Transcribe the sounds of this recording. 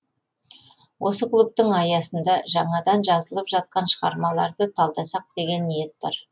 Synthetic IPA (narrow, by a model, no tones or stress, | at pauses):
wʔo̞səklˠup̚t̪əŋɑjɑsənd̪ɑʒɑɴɑd̪ɑnʒɑzəlˠəpʒɑt̪̚qɑnʃəʁɑ̰ɾmɑlˠɑɾd̪ət̪ʰɑlˠd̪ɑsɑq̚d̪̥e̞ɡʲe̞nːije̞t̪̚bɑ̰ɾ